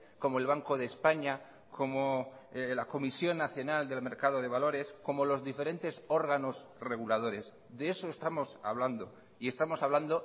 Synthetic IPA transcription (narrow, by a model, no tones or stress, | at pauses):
ko̞moe̞lβ̞aŋko̞ðe̞ːspaɲa | kʰo̞molako̞misjo̞nːaθjo̞nald̪e̞lme̞ɾkaðo̞ðe̞β̞alo̞ɾe̞sko̞mo̞lo̞zðife̞ɾe̞nt̪e̞so̞ɾɣ̞ano̞sre̞ɣulað̞o̞ɾe̞s | ðeeso̞est̪amo̞sa̰βland̪o̞ | ie̞st̪amo̞saβland̪o̞